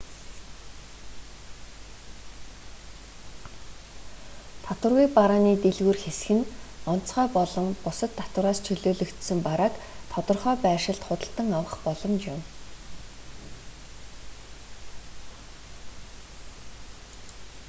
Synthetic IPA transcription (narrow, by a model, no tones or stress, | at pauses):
t̪ʰat̪wə̆rɣujpaɾaːniːt̪eɮɣuːrxesxɘ̆nɔntt͡sχœːpɔɮɞ̆mpʊsə̆t̪ʰːḁt̪wə̆ɾaːst͡ɕʰɵɮoːɮɵ̆kt̪sɘ̆mpaɾaːkt̪ʰɔt̪ɞ̆rχœːpæːʃɪ̆ɮt̪χʊt̪ə̆ɬt̪ə̆ŋawə̆χpɔɮɞ̆mt͡ɕjʊm